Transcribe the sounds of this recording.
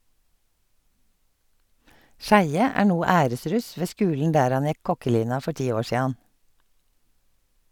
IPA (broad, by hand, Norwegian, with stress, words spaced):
ˈʃæɪə ˈæː ˈɳuː ˈæːɾəˌsɾʉs ˈʋeː ˈskʉːln̩ ˈdæːɾ ˈɑn ˈjɛk ˈkɔkəˌliːnɑ ˈfɔ ˈʈiː ˈoː ˈʃiːɑn